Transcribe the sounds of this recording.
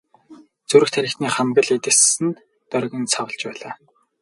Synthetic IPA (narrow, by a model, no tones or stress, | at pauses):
t͡suɾɘ̆xt̪ʰæɾʲɪ̆kt̪niːχamɡə̆ɮet̪ɘ̆sɘ̆n | t̪œrɣʲə̆nt͡sʰawə̆ɬt͡ɕpæːɮaː